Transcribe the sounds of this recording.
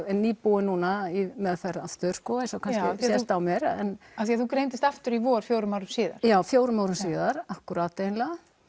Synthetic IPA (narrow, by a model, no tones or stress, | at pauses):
ɛnniːpuːɪnuːnaimɛðkfɛɾaft̪ʏɾ̥skɔɛnsawkʰanskɪsɛst̪awmjɛɾɛ̰naθiaθukɾeːjnt̪̬ɪst̪aft̪ʏɾivɔɾ̥fjowɾʏmawɾʏmsiːða̰ɾ̥jaːwfjoːwɾʏmawɾʏmsiːðaɾafkʏɾaːt̪ejnlɛɣa